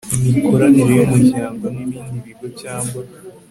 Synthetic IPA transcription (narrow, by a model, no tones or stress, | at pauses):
imiko̞ɾaniɾejumuɟaːŋɡanimiːniβiɡocaːŋɡa